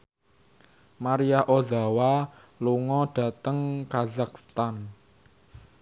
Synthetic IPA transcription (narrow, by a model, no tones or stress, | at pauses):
maɾiaʔozawa | luŋɔɖ̥a̤t̪əŋkazak̚st̪an